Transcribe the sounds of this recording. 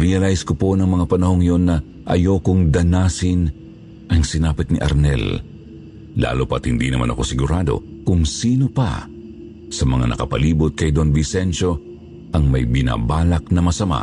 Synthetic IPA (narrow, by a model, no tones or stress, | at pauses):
ɾɪjɐlajskoponɐŋmɐŋapɐnɐho̞ŋjo̞nːɐ | ʔɐjo̞ːkʊŋd̪ɐnaːsɪn | ʔɐŋsɪnaːpɪt̪̚nɪʔɐ̰ɾnɛ̰lː | a̰ːlopɐt̪hɪnd̪inɐma̰nʔɐ̰ko̞sɪɡʊɾad̪o̰kʊŋsiːnopɐ̰ | sɐmɐŋa̰nɐ̰kɐpɐliːbʊt̪̚kɐjd̪onvɪsɛnʃo̞ | ʔɐŋmɐjbɪna̰baːlɐk̚nɐmɐsɐma̰